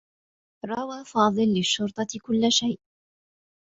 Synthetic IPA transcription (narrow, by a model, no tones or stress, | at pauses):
ɾˤɑwaːfɑːðˤɨlːɪʃːʊɾt̪ˤɑkʊlːaʃajʔ